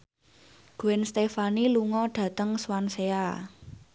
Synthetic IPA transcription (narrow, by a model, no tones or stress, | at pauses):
ɡ̥oɛnst̪efaniluŋɔɖ̥ä̤t̪əŋswansea